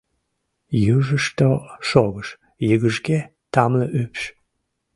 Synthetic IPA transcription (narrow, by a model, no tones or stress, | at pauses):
juʒəʃt̪oʃoɣəʃ | jəɣəʒɡe | t̪ɑmləʔypʃ